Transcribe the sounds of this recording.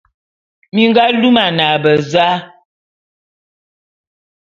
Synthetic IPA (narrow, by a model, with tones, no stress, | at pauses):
mi˦ŋ˦ɡa˦lu˦ma˨na˨bə˨za˦